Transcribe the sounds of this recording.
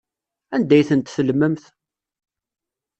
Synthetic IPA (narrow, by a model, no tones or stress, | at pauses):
ænd̪æjθənt̪θəlməmθ